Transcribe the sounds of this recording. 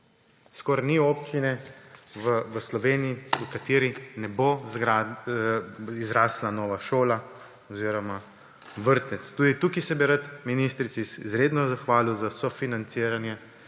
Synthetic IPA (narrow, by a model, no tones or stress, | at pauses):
skɔɾniɔːpt͡ʃinɛʋəʋəslɔʋeniiukat̪eːɾinɛbozɡɾa | izɾaːslanɔːʋaʃoːla | ɔziːɾɔma | ʋəɾt̪ɛt̪st̪ud̪it̪ukisɛbiɾat̪minist̪ɾit̪isizɾed̪nɔzaxʋaːliwzasɔfinant̪siːɾanjɛ